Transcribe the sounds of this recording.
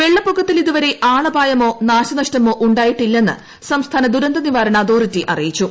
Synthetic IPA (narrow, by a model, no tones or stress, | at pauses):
ʋe̞ɭːɐpːukʰːɐt̪ːiliðuʋɐɾe̞ʔaːɭɐbʱaːjɐmo̞ːnaːɕɐnɐɕtɐmo̞ːʔuɳɖaːjiʈːilːɐenːɨ̰ | sɐmst̪ʰaːnɐd̪uɾɐnd̪ɐniʋaːɾɐɳɐːd̪o̞ːritːiʔɐ̰rijit͡ɕːu